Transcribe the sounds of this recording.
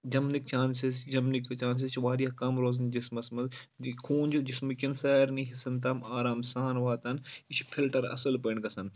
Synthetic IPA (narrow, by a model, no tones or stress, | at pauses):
d͡ʒɐmnik̚t͡ʃaːnsisd͡ʒɐmnikt͡ʃaːns̬ist͡ʃʰʋaːɾijɐkɐmɾoːznd͡ʒismɐsmɐzkʰuːnʲd͡ʒud͡ʒismɨkʲɪnsaːɾniɦisɐnt̪aːmaːɾaːmsaːnʋaːt̪ɐnit͡ʃʰpʰilʈɐɾɐ̰sɐlpɐɳɡɐsɐn